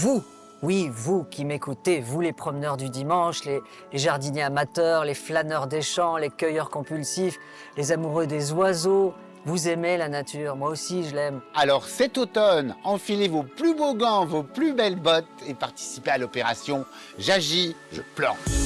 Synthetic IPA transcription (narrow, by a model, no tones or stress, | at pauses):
vu | wivukʲimekut̪evulepχɔmnœʁd̪yd̪imɑ̃ʃle | leʒaʁd̪ineamat̪œʁleflanœʁd̪eʃɑ̃lekʲœjœʁkɔ̃pylsif | lezamuʁød̪ezwazo | vuzemelanat̪ʰyʁmwaosiʒəlɛmalɔʁsɛt̪ot̪ɔnɑ̃filevoplyboɡɑ̃voplybɛlbɔt̪epaʁt̪i̥sipealɔpeʁasjɔ̃ | ʒaʒiʒə̰plɑ̰̃